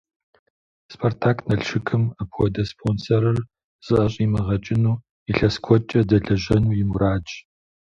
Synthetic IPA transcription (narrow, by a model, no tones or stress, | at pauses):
spʰortʰaːknɐɬʃɨkʰɨmɐpʰwɔdɐspʰonsɐɾɨr | z̥ʼɨʔɐɕʼiːmɐʁɐt͡ʃʼɪnuː | iɬɐskʷʰɔt͡ʃʼɐdɐɮɐʑɐnuːjɪmuɾaːd͡ʒ